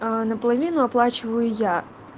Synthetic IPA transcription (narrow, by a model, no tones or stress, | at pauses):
nɐplˠɐʋʲinʊɐplˠɑt͡ʃʊʋɐjʊja